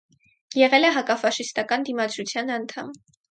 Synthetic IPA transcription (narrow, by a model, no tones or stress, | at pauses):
jɛʁɛlɛɦɑkɑfɑʃist̪ɑkɑnd̪imɑd͡zɾut͡sʰjɑnɑnt̪ʰɑm